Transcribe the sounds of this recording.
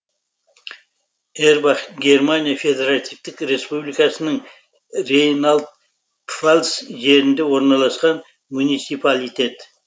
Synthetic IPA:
eɾbaχɡʲe̞rmanijafʲe̞d̪eɾat̪ijft̪ɪkɾe̞spublijkɑsənəɴ | rejnalˠd̪̚ | falsʒe̞ɾɪnd̪e̞wo̞ɾnɑlˠɑsqɑn | munijt̪sipalʲit̪e̞t̪

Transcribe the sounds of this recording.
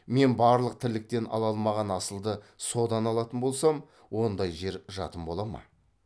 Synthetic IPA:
me̞nbɑɾlˠəq̚t̪ʰɪɾlɪk̚t̪e̞nʔɑ̰lˠɑlˠmɑʁɑnɑsəlˠd̪ə | so̞d̪ɑnɑlˠɑt̪ənbo̞lˠsɑm | wo̞nd̪ɑjʒe̞ɾʒɑ̰t̪əmbo̞lˠɑmɑ̰

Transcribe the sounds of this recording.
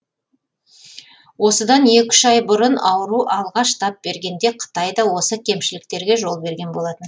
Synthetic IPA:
wo̞səd̪ɑne̞kʲɪ̥ʒɑjbʊɾənɑwəɾuʔɑlˠʁɑʃt̪ʰɑp̚b̥e̞ɾɡʲe̞nd̪e̞qʰə̥t̪ɑjd̪ɑwo̞səkʲʰe̞mʃɪlɪk̚t̪e̞ɾɡʲe̞ʒo̞lˠbe̞ɾɡʲe̞nbo̞lˠɑt̪ən

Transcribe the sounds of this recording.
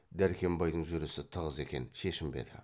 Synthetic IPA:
d̪æɾkʲʰe̞mbɑjd̪əɴʒʏɾɪsɪt̪ʰəʁəze̞kʲe̞̰nʃe̞ʃɪmbḛd̪ɪ̰

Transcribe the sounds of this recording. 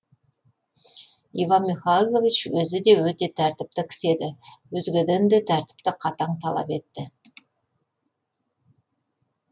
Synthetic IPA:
ivɑnmiχajlˠo̞vit͡ʃwɵzɪd̪e̞wɵt̪e̞t̪ʰæɾt̪ɪp̚t̪ɪkʲʰɪ̥se̞d̪ɪwɵzɡʲɪd̪end̪et̪ʰæɾt̪ɪ̥p̚t̪ɪqʰɑt̪ɑɴt̪ʰɑlˠɑ̰pe̞t̪ːɪ

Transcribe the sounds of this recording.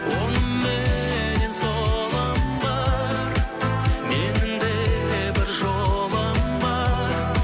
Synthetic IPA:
womːeeɪsolˠɑmbɑ | ɾmend̪ebɪɾʒobɑmbɑ | ɾ

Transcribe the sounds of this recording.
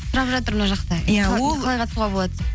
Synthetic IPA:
sʊɾɑpʒɑt̪əɾmənɑʒɑqt̪ɑoqʰɑlˠɑjqʰɑt̪ə̥suʁɑbo̞lˠɑd̪ə

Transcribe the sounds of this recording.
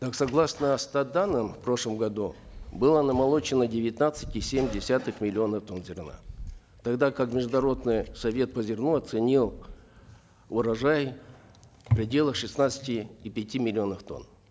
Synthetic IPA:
k̪aksɐɡlˠasnəst̪ad̪anəmfpɾo̞ʂlˠəmɡɐd̪u | bɨlˠənəmɐlˠo̞t͡ɕɪnədʲɪvʲɪt̪nat̪sɨ̥tʲɪsʲemʲdʲɪsʲat̪ɨxmʲɪlʲɪo̞nəft̪o̞nzʲɪrna̰ | t̪ɐɡd̪akakmʲɪʐd̪ʊnɐɾo̞d̪nɨjsɐvʲe̞t̪̚pəzʲɪrnuɐt̪sɨnʲilˠ | ʊɾɐʐaj | pɾʲɪdʲe̞lˠəxʂɨsnat̪sə̥tʲɪːpʲɪtʲimʲɪlʲɪo̞nəft̪o̞̰n

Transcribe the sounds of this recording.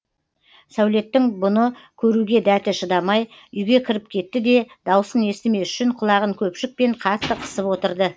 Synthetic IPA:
sæwle̞t̪ːɪŋbʊnəkʲʰɵɾuɡʲe̞d̪æt̪ɪʃəd̪ɑmɑj | ʏjɡʲe̞kʲʰɪɾɪp̚kʲʰe̞t̪ːɪd̪e̞d̪ɑwəsəne̞st̪ɪme̞ʏ̥ʃɪɴqʰʊlˠɑʁəŋkʲʰɵpʃɪk̚pe̞ɴqʰɑt̪ːəqʰə̥səpwo̞t̪əɾd̪ə

